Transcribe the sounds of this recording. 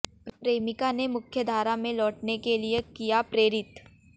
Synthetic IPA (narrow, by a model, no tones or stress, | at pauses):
pɾeːmɪkanemʊkʰjəd̪ʱaːɾamẽlɔːʈnekeliekijapɾeːɾɪt̪